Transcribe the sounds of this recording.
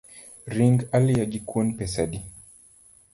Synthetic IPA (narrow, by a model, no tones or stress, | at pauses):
ɾiŋɡaljad͡ʒikwɔnpɛsaɗi